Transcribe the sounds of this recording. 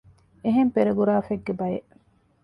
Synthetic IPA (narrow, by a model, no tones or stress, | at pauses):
eɦempeɾɐɡuɾaːfeɡːebɐjeʔ